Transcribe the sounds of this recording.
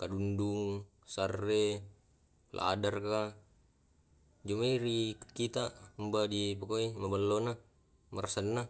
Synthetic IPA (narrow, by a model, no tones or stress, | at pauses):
kadunduŋ | sarːe | la̰a̰darka | d͡ʒumaiɾikit̪ambadipakoimabalːona | marsanːa